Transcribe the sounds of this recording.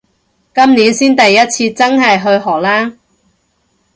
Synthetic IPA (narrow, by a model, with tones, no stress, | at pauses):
kɐ˥mniː˨˥nsiː˥nt̪ɐ˨jːɐ˥t̚t͡sʰiː˧t͡sɐ˥ŋɦɐ˨jɦɵ˧ɥɦɔː˨˩k̚laː˥